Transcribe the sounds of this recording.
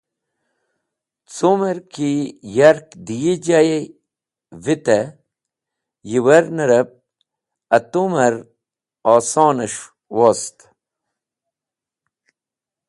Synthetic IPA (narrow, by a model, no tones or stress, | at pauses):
t͡somɐɾkijɐɾkd̪ijid͡ʑaje | vit̪ɐ | jiwɐɾnɐɾɐp̚ | ɐt̪umɐɾ | ɑːsɑːnɐʂ | woːst̪